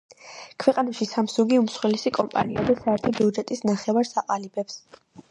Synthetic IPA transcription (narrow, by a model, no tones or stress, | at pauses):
kʰwɛqʼanaʃisamsuɡiumsχwɛlisikʼɔmpʼa̰niad̪asaɛɾt̪ʰɔbiud͡ʒɛt̪ʼisnaχɛvaɾsaqʼalibɛps